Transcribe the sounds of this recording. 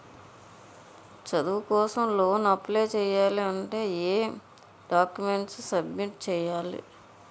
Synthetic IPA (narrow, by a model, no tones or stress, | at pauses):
t͡ʃɐd̪ukɔːsɐmlo̞ːnɐpleːt͡ʃɛːjaːliɐɳʈe̞ːeː | ɖaːkjumeɳʈssɐbmiʈt͡ʃɛːjaːlḭ